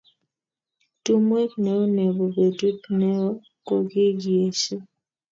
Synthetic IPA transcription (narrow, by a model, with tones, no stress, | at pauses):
tu˦mwe˦knɛ˨o˦ne˨bo˨be˨tu˦pnɛ˦ɔ˦ | ko˦˨ɡɪ˦ɡi˨e˨ʃe˦